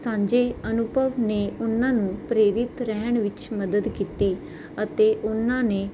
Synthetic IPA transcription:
sãːɲd͡ʒeːənʊbʱəʋneːʊnãːnũːpɾeːɾɪt̪ɾɛɦəɳʋɪt͡ʃməd̪əd̪kiːt̪iː | ət̪eːʔʊnãːneː

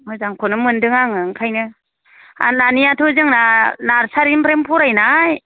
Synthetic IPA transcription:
mɔzaŋkʰɔnɯmɯndɯŋaŋɯŋkʰajnɯ | a̰nanijatʰɔzɯŋnanaɾsaɾinpʰɾempʰuɾajnaj

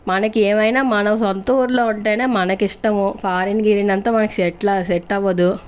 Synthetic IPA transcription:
mɐnɐkeːmɐjnaːmɐnɐmsɐnt̪uːɾloːuɳʈeːneːmɐnɐkiʂʈɐmupʰaːɾinɡiɾinɐnt̪ɐːmɐnɐki̥sɛʈlɐsɛʈːɐʋɐd̪u

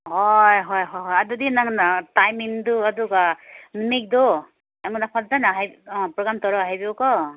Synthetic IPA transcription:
hɔjɦɔjɦɔjɦɔjadudinaŋtajmiŋduadukanimik̚dɔ | amɔnapʰatdanaɦajpɾɔɡamtɔɾɔɦajbiɔkɔ

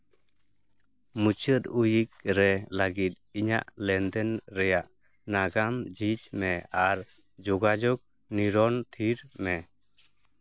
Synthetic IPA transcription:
mut͡ʃət̪ujik̚ɾɛlaɡit̪̚iɲa̰ʔlɛnd̪ɛnɾɛjaʔ | naɡamd͡ʒid͡ʒmɛaɾ | d͡ʒɔɡad͡ʒɔk̚ | niɾɔnt̪ʰiɾmɛ

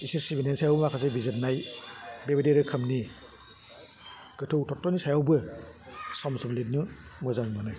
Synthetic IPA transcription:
isiɾsibinansajawbɯmakʰazabizɯt̚najbebideɾɯkʰɯmni | ɡ̥ɯtʰɯwtʰɔk̚tːɔnisajawbɯ | sɔmsɔblit̚nɯmɯzaŋmanɯ

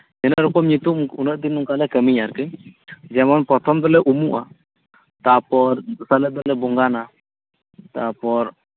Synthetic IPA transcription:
d͡ʒɛnəɾɔkɔmɲit̪umunəʔd̪inuŋkalɛkəmiɲaɾkɛd͡ʒɛmɔnpɔt̪ʰɔmd̪ɔlɛʔumuʔa̰ | t̪apɔɾsaləd̪ɔlɛbɔŋɡana | t̪apɔɾ

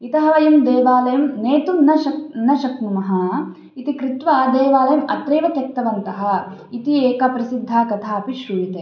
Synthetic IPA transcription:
it̪ɐɦɐʋɐjɐmd̪eːʋaːlɐjɐmneːt̪umnɐʃɐnɐʃɐknumɐɦɐ | it̪ikɾit̪ʋɐd̪eːʋaːlɐjɐmɐ̰t̪ɾeːʋɐt̪jɐk̚t̪ːɐʋɐnt̪ɐɦɐ | it̪ieːkɐpɾɐsid̪ʱːaːkɐt̪ʰaːɐpiʃɾujit̪eː

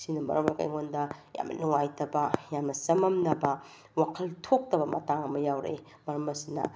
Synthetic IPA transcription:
sinɐmɐ̰ɾɐmɐka̰jŋondɐja̰mnɐ̰nuŋajtɐbɐjamnɐsɐmɐmnɐbɐ | wakʰɐltʰok̚tɐbɐmɐ̰taŋɐmɐjawɾḛ | mɐɾɐmɐsinɐ̰

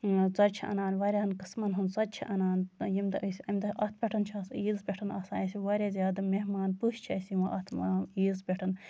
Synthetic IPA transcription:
zɐɾt͡ʃʰiɐ̰naːnʋɐɾʲaɦɐnkɨsmɐnɦunzɐt͡ʃʰiʔɐnaːnjimʲt̪sʲɐmʲt̪ɐʔɐt̪̚ʰpʲeʈʰɐnt͡ʃʰiɐsiːzpʲeʈʰɐnɐsa̰ːjɐsʲiʋɐɾʲazʲjaːd̪ɐmeɦmaːnpuʃt͡ʃʰɐsimɐʔɐt̪ʰaiːzbʲeʈʰɐn

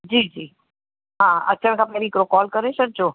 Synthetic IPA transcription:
d͡ʒiːd͡ʒiː | ɦãətːt͡ʃʰənkʰapɛɾikɾokɔlkəɾeʃək̚d͡ʒo

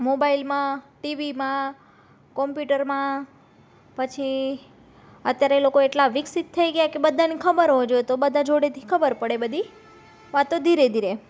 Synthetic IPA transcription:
mobailmãʈiʋimã | kɔmpjuʈəɾmã | pət͡ʃʰi | ət̪jaɾeelokoeʈlaʋɪksit̪ʰːəjɡjakebəd̪ʱːanikʰəbəɾɦod͡ʒoet̪obəd̪ʱãd͡ʒoɽet̪ʰi̥kʰəbəɾpəɽebəd̪ʱi | ʋat̪õd̪ʱiɾed̪ʱiɾe

